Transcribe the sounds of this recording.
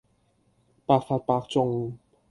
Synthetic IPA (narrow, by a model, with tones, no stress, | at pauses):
pa˧˩fa˧t̪̚pa˧kt͡ʃɔ˧˨ŋ